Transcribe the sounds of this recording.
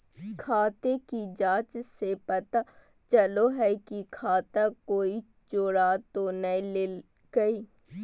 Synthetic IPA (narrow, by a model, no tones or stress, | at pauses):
kʰaːt̪ekid͡ʒãːt͡ʃsepɐt̪a | t͡ʃɐloɦɛkikʰaːt̪akoːi | t͡ʃoːɽat̪onɐĩlel | ɡɐiː